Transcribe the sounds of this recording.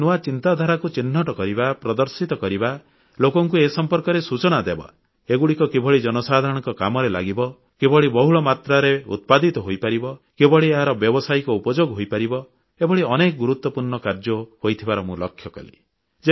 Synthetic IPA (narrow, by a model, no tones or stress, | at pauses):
nuat͡ʃint̪ad̪ʱaɾakut͡ʃinːɔʈɔkɔɾibapɾɔd̪ɔɾsit̪ɔkɔɾiba | lokɔŋkuesɔmpɔɾkɔɾesut͡ʃɔnad̪eba̰ | eɡuɽikɔkebɔɭid͡ʒɔnɔsad̪ʱaɾɔɽ̃ɔŋkɔkamɔɾela̰ɡibɔ | kebɔɭibɔɦuɭɔmat̪ɾaɾeṵt̪̚pad̪it̪ɔɦojpaɾibɔ | kebɔɭieɦaɾɔbjɔbɔsajkɔupɔd͡ʒoɡɦojpaɾibɔ | ebɔɭiɔnekɔɡuɾut̪wɔpuɾɳɔkaɾd͡ʒɔhojt̪ʰibaɾɔmũlɔkʰːjɔkɔ̰lḭ | d͡ʒe